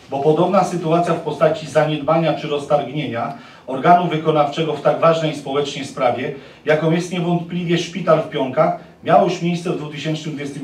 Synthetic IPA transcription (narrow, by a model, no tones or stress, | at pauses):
bɔpɔd̪ɔbnasɘt̪uat̪sʲjafpɔst̪at͡ɕizaɲɛd̪baɲat͡ʂɘɾɔst̪aɾɡɲeɲa | ɔɾɡanuvɘkɔnaft͡ʂɛɡɔft̪aɡvaʐnɛjspɔwɛt͡ʂnɛjspɾavʲjɛ | jakɔ̃w̃jɛst̪ɲɛvɔnt̪plʲivʲɛʂpʲit̪alfpʲjɔŋkax | mʲjawɔʂmʲjejssɛvd̪vut̪ɘɕɛnt͡ʂnɘmd̪vʲjɛst̪ɘm